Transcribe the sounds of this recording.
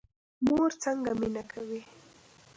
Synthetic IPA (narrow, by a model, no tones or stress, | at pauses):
moɾt͡saŋɡaminakʰawi